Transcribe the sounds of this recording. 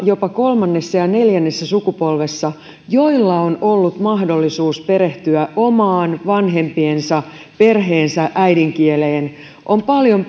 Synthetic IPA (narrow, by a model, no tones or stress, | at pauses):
jo̞pɑko̞lmɑnːesːɑjɑne̞ljænːesːæsukupo̞lʋesːɑ | joilːɑonolːut̪mɑhdo̞lːisuːspeɾeht̪yæʔo̞mɑːnʋɑnɦe̞mpiensɑ | pe̞rɦeːnsæʔæidiŋkieleːn | ʔompɑljo̞m